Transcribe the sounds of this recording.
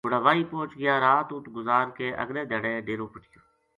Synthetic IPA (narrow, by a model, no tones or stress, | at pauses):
ʊɽaːʋaːiːpõːt͡ʃɡɪjaːɾaːt̪ʊʈɡʊzaːɾkeːʔə̰ɡleːd̪eːɽeːɖeːɾõːpəʈijoː